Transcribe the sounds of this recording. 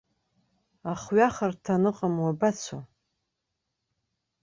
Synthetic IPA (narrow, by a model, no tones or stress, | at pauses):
aχɥaχartʰanɨqʼamwabat͡sʷʰa